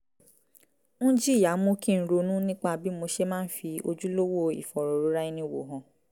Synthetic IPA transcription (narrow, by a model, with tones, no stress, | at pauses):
nũ˦d͡ʒi˦˨ja˨˦mõ˦ki˦˨ñ̩˨˦ɾo˧nũ˦nĩ˦k͡pa˧bi˦mo˧ʃe˦mãː˦n̩˦fi˧o˧d͡ʒu˦lo˦wo˦˨ḭ˨fɔ˨ɾo˨ɾo˨˦ɾa˦i˧nĩ˧˨wo̰˨ɦɔ̃˨